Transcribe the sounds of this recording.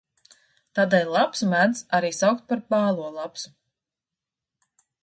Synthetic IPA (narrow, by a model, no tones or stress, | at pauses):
t̪aːd̪ɛjlˠapsumæd̪saɾiːsawk̚t̪̚paɾpaːlˠuɔlˠapsu̥